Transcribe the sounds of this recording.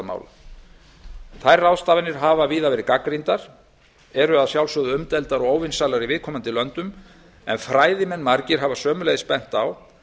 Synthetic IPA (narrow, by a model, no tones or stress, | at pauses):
ma̰wla̰ | θajrːawst̪aːvɪnɪɾ̥ɦaːvaviːðavɛːɾɪkakɾint̪aɾ̥ | ɛɾʏaðsjawlsɔɣðʏʏmt̪ɛlt̪aɾɔɣoːwvɪnsalaɾivɪðkʰɔmant̪ɪlœnt̪ʏm | ɛ̰nfɾaːjðɪmɛnːmaɾcɪɾ̥ɦavasœːmʏlejðɪspɛn̥t̪aw